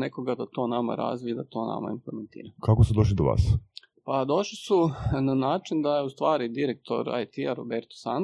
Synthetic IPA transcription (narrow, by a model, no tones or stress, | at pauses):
ne̞ko̞ɡad̪at̪o̞ːnama̰ɾa̰ːzʋiid̪at̪o̞ːna̰ma̰implement̪ḭːɾakakosud̪oʃ̬lid̪oʋa̰ːs | pad̪o̞ʃlisunanaːt͡ʃind̪ajeust̪ʋaːɾid̪iɾek̚t̪ʰo̞̰ɾa̰jt̪iaɾobeɾt̪o̥san